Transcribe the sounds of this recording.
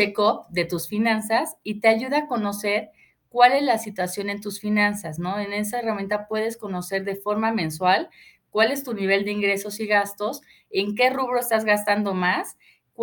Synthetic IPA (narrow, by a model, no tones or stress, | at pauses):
ekop̚d̪e̞t̪usfinãnsasit̪eaʝuðaːko̞no̞se̞ɾ | kwale̞zlasit̪wasjo̞ne̞nt̪usfinãnsasno̞e̞ne̞s̬aeramjẽnt̪apwe̞ðe̞sko̞no̞se̞ɾðe̞fo̞ɾmamẽ̞nswal | kwale̞st̪uniβ̞e̞ld̪e̞iŋɡɾe̞so̞siɣast̪o̞s | e̞ŋke̞ruβ̞ɾo̞est̪azɣast̪and̪o̞mas | k